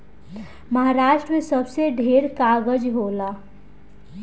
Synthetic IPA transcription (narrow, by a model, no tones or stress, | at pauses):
məɦaɾaːʃʈɾəmẽsəbseɖʱeːɾkaːɡəd͡ʒɦoːlaː